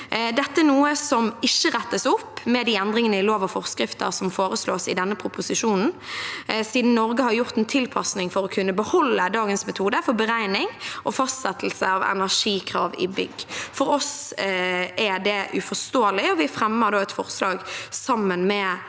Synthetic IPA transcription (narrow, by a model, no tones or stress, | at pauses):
d̪ɛt̪ːəɛnuːəsɔmɪçːəɾɛt̪ːəsʊpːmɛd̪iːɛnd̪ʁɾɪŋənəɪloːʋɑfɔʁskɾɪft̪ə̰ʁsɔmfoːɾəsloːsɪd̪ɛnːəpʰʁʊpʊsɪʃuːnn̩ | siːd̪n̩nɔɾɡəhɑɾjʊʁt̪ɛnt̪ʰɪlpʰɑsnɪŋfɔɾɔkʰʉnːəbəhɔlːəd̪ɑːɡənsmɛt̪ʰuːd̪əfɔɾbəɾæɪnɪŋʔɔfɑst̪sɛt̪l̩səɑʋɛ̰næʁʂiːkʰʁɑːʋɪ̰bʏɡːfɔɾɔs | ʔæd̪ɛʔʉfɔst̪oːəlɪɔʋɪfɾɛmːəd̪oːɛt̪fɔʁslɑːɡsɑmːənmɛ